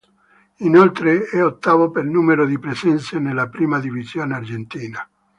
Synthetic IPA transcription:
inolt̪ɾeɛot̪ːaːvopelnuːmeɾod̪ipɾezɛnsenelːapɾiːmad̪ivizjoːneard͡ʒent̪iːna

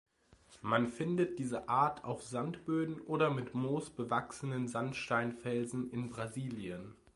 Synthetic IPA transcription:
manfɪndət̚d̥iːzəʔaːɐtʰa̰ʊfz̥antb̥øːdn̩ʔoːɾɐmɪtmoːsb̥əvaksənənzantʃtaɪnfɛlzn̩ɪnbʁaziːljən

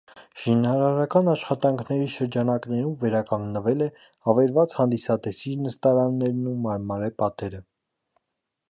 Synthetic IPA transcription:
ʃinɑɾɑɾɑkɑnɑʃχɑt̪ɑŋkʰnɛɾiʃəɾd͡ʒɑnɑknɛɾuɱvɛɾɑkɑŋɡnəvɛlɛ | ɑvɛɾvɑt͡shɑnd̪isɑt̪ɛsiɾnəst̪ɑɾɑnːɛɾnumɑɾmɑɾɛpɑt̪ɛɾə

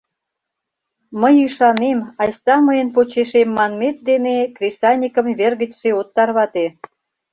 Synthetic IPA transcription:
məjyʃɑnemɑjsɑməjənp̬ot͡ɕeʃemːɑnmet̪̚d̪enekrʲesɑnʲikəmβerɣət͡ɕʃeot̪ːɑrβɑt̪e

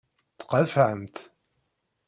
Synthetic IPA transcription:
θqəfʕəmt̪

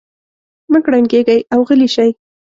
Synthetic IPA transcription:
məkɽanɡeɡajawɣəliʃaj

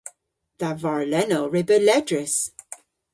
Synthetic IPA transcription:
ð̥avaɹlɛnoɹɪbəlɛdɹɪs

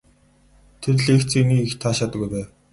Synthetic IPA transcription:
t̪ʰerɮeːxt͡sʰiniːxt̪ʰaːʃaːt̪ə̆ɡujpæː

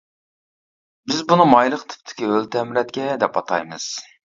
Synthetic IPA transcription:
bɪzbunɨmɑjlˠəqt̪ʰɪ̥p̚t̪ʰɪ̥kʲiølt̪ʰɛmɾɛt̪kʲɛd̪ɛpɑt̪ʰɑ̰jmɨz̥

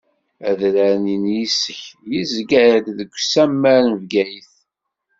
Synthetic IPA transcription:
æðɾæninjisəçjizɡæɾd̪ðəɡʷːsæmːæɾvɡæjiθ

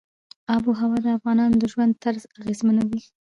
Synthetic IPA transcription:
ɑbuɦawɑd̪əafɣɑnɑnd̪əʒwand̪̚t̪aɾzaɣezmanawi

